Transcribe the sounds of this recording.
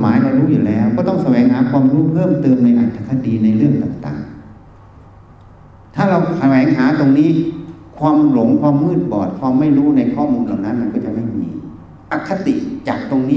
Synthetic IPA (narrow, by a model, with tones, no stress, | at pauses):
maː˨˦jma˧ɾuː˦˥juː˨˩lɛː˦˥˩wkɔː˥˩t̪ɔ˥˩ŋsa˧wɛː˨˩˦ŋɦaː˩˦kʰwaː˧mɾuː˦˥pʰɤː˥˩mt̪ɤː˧mna˧jʔa˨˩t̪ʰːa˨˧˩kʰːa˧˥diː˧na˧jɾɯ˥˩əŋt̪a̰ː˨˩ŋt̪a̰ː˨˩ŋ | t̪ʰaː˥˩ɾa˧wsa˧wɛː˨˩˦ŋɦaː˩˦t̪o˧ŋniː˦˥˨kʰwaː˧mlo˩˦ŋkʰwaː˧mːɯː˥˩t̪̚bɔː˨˩t̪̚pʰɔː˧ma˥˩jɾuː˦˥na˧jkʰɔː˥˩muː˧nlaː˨˩wna˦˥nma˧nkɔː˥˩t͡ɕa˨˩ma˥˩jmḭː˧ | ʔa˨˩kʰːa˦˧t̪ḭ˨˩ʔt͡ɕaː˨˩k̚t̪o˧ŋniː˦˥